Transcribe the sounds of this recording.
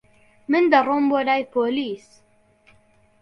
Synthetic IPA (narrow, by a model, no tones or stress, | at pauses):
mɨnd̪ɐrˤomboɾaːjpʰoːliːs